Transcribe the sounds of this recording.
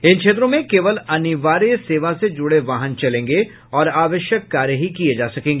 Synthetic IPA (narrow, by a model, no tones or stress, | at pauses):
ɪnkʃʰeːt̪ɾõmẽkeːʋəlɐnɪʋaːɾijseːʋased͡ʒʊɽeʋaːɦənt͡ʃɐlẽːŋɡe | ɔːɾaːʋəʃjəkːaːɾjəɦikied͡ʒaːsɐkẽːŋɡeː